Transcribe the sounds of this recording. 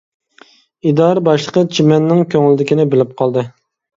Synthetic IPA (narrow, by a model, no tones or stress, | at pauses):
id̪ɑɾbɑʃlˠəqʰət͡ʃʰimɛnːɪŋkʲʰøŋlɪd̪ɪkʲinɪbɪlɪp̚qʰɑlˠd̪ɨ